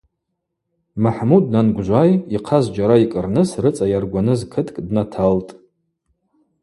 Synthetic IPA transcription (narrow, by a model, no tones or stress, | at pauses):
maħmud̚nanɡʷʒʷajiqʰazd͡ʒaɾaikʼɨrnɨsrɨt͡sʼajarɡʷanɨzkʰɨtʰʼkʼdnatʰaltʼ